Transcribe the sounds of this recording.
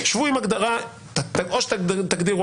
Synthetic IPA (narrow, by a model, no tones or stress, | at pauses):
ʃvuimaɡd̪aʁa | t̪aoʃt̪at̪aɡd̪iʁ